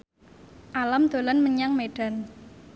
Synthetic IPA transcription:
ʔalamd̪̥o̤lanməɲaŋmeɖ̥a̤n

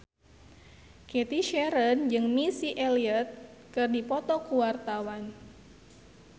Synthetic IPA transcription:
ket̪iʃɛɾənd͡ʒɨŋmisiʔeliət̪̚kɨrdipɔt̪ɔkuwart̪awan

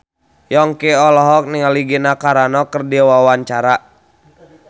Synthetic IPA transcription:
jɔŋkiɔlɔɦɔk̚niŋaliɡinakaɾanɔkərdiwawaɲt͡ʃaɾa

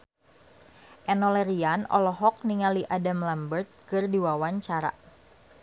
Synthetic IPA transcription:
ʔɛnɔlɛɾianɔ̰lɔɦɔk̚niŋaliʔadamlambərt̪̚kɨrdiwawaɲt͡ʃaɾa̰

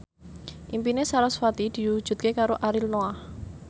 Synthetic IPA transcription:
ʔimpinesaɾasfat̪id̪̥i̤wud̥ʒ̥ṳt̪̚kekaɾoʔaɾilnoah

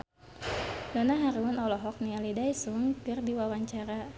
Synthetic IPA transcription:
dɔnaɦaɾiwʊnɔlɔɦɔk̚nialidajsuŋkɨrdiwawaɲt͡ʃaɾa

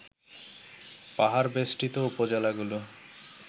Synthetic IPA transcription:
paɦaɾbesʈit̪oupod͡ʑelaɡulo

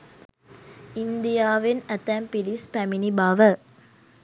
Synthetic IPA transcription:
ind̪ijaːʋenɐt̪æːmpilispæminibaːʋə

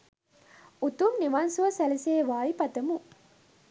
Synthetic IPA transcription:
ut̪umniʋansuʋɐsæliseːʋaːjipɐt̪ɐmu

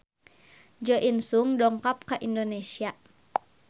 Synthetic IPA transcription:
d͡ʒɔʔinsuŋdɔŋkap̚kaʔindonesia

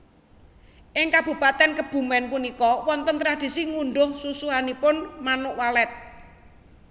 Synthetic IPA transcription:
ʔɪŋkab̥ṳpat̪ɛnkəb̥ṳmɛnpunikɔwɔnt̪ənt̪ɾad̪̥i̤siŋuɳɖʊhsusuɦanipʊnmanʊʔwalɛt̪̚

